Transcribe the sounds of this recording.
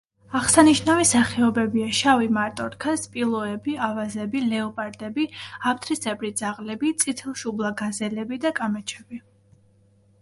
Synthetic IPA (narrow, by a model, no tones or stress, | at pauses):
aχsaniʃnavisaχɛɔbɛbiaʃavimaɾt̪ʼɔɾkʰaspʼilˠɔɛbiavazɛbilɛɔpʼaɾd̪ɛbiap̚t̪ʰɾisɛbɾid̪zaʁlɛbit̪sʼit̪ʰɛlˠʃublˠaɡazɛlɛbid̪akʼamɛt͡ʃʰɛb̥i